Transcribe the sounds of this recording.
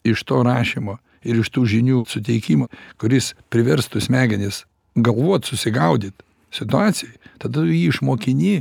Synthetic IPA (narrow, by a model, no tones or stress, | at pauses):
ɪʃt̪oːɾɑːʃʲimoː | ɪɾɪʃt̪uːʒʲɪnʲuːsʊt̪ʲɛɪkʲiːmokʊɾʲɪspʲɾʲɪʋʲɛɾst̪ʊsʲmʲæːɡʲɛnʲɪs | ɡɐlˠʋuɔt̪sʊsʲɪɡɐʊd̪ʲiːt̪ | sʲɪt̪ʊɑːt͡s̪ʲɪjɛɪt̪ɐd̪ɐjiːɪʃmoːkʲɪnʲiː